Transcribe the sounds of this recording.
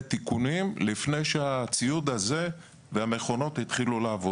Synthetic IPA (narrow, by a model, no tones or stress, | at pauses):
t̪ikunimlifne̞jʃeat͡siud̪aze̞ | veame̞χo̞no̞t̪hit̪χiluleavo